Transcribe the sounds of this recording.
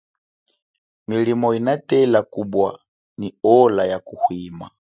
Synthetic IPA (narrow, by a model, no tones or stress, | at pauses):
milimɔinatɛlakubwa | niɔlajakuhwima̰